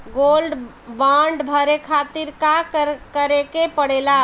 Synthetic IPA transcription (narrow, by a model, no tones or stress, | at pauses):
ɡolɖ | bãɳɖbʱəɾekʰat̪iɾkakkəɾekepəɽ̤ela